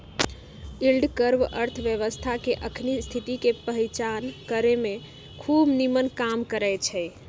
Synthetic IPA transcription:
ilɖkəɾʋə̰ɾt̪ʰʋjəʋəst̪ʰakeʔəkʰnist̪ʰit̪ikepəɦit͡ʃankəɾeme | kʰubnimənkamkəɾɛjt͡ʃʰɛ

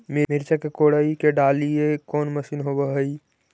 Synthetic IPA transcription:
mimɪɾt͡ʃakekoːɽaikeɖaːliekɔːnməʃiːnɦobəɦəi

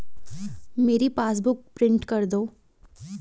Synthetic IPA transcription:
meːɾipaːs̬bʊk̚pɾɪ̃ɳʈkɐɾd̪oː

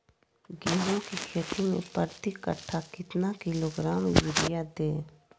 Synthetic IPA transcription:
ɡeːɾõkikʰeːt̪imḛ̃pəɾt̪ikə̰ʈʰːakɪt̪nakɪloɡɾaːmjɪɾɪjad̪eː

